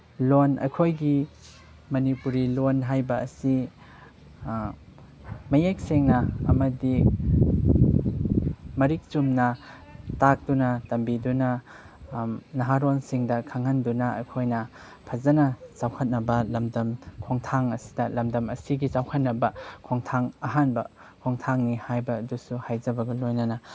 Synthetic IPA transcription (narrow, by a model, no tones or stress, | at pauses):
lonɐ̰jkʰojɡi | mɐnipuɾilonɦajbɐːsi | mɐjek̚seŋnɐɐmɐdi | mɐɾik̚t͡ʃumnɐ | tak̚d̥unɐtɐmbidunɐ | nɐɦaɾonsiŋdɐkʰaŋɐndunɐɐ̰jkʰojnɐ | pʰɐzɐnɐt͡ʃawkʰɐt̚nɐbɐlɐmdɐmkʰoŋtʰaŋɐsi̥dɐlɐmdɐmɐsiɡit͡ʃawkʰɐt̚nɐbɐkʰoŋtʰaŋɐɦanbɐ | kʰoŋtʰaŋnihajbɐːdusuhajzɐbɐɡɐlojnɐnɐ